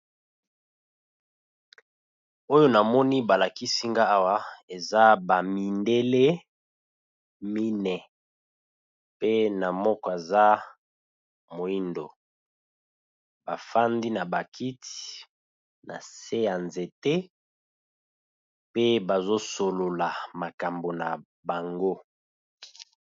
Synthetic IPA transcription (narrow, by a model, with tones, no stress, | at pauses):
o˦jo˦na˨mɔ˦ni˦ba˨la˨ki˦si˦ŋɡa˦a˦wa˦e˨za˦ba˨mi˨nde˦le˦ | mi˦nɛ˨ | pe˦na˨mɔ˦kɔ˦e˨za˦ | mo˨i˦ndo˨ | ba˨fa˦ndi˦na˨ba˨kʰi˦ti̥˨ | na˨se˦ja˨nze˨te˦ | pe˦ba˨zo˦so˨lo˨la˨ma˨ka˨mbo˨na˨ | ba˨ŋɡo˦